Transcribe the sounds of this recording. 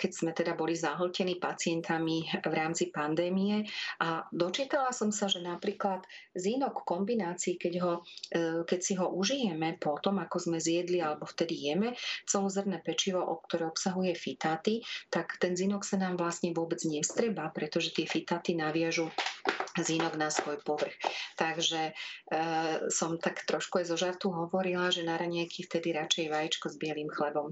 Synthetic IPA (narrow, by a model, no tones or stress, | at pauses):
kɛɟz̥mɛt̪ɛd̪abɔlizaɦɔlcɛniːpat͡sɪɛnt̪ʰamiʋɾaːmt͡sipand̪ɛːmijɛʔad̪ɔt͡ʃiːt̪alasɔmsaʒɛnapɾiːklat̪zinɔkːɔmbinaːt͡siːkɛɟɦɔ | kɛcsiɦɔʔuʒijɛmɛpɔt̪ɔmakɔzmɛzjɛd̪lialɛbɔft̪ɛd̪ijɛmɛt͡sɛlɔzərnɛːpɛt͡ʃiʋɔʔɔk̚t̪ɔɾɛɔpsaɦujɛfit̪aːt̪it̪akt̪ɛnzinɔksanaːmʋlasɲɛʋʊɔbɛd͡zɲɛst̪ɾɛbapɾɛt̪ɔʒɛt̪ɪɛfit̪aːt̪inaʋɪaʒu | zinɔɡnasʋɔjpɔʋr̩xt̪aɡʒɛ | sɔmt̪akt̪ɾɔʃkuajzɔʒaɾt̪uɦɔʋɔɾilaʒɛnaɾaɲɛjkʰift̪ɛd̪iɾat͡ʃɛjʋajit͡ʃkɔzbɪɛlimxlɛbɔm